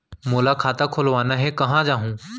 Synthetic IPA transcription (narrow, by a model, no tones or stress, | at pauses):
moːlakʰaːt̪akʰoːlʋaːnaɦɛkɐɦãd͡ʒaːɦũː